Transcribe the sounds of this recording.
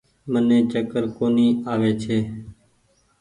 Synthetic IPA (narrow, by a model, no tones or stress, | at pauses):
mənẽːt͡ʃəkəɾkoːniːaːʋeːt͡ʃʰeː